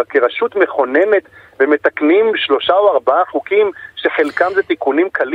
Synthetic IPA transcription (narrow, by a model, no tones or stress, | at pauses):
keʁaʃut̪meχo̞ne̞ne̞t̪ | vemet̪aknimʃlo̞ʃaoaʁbaaχukimʃeχelkamzet̪ikunimkʰal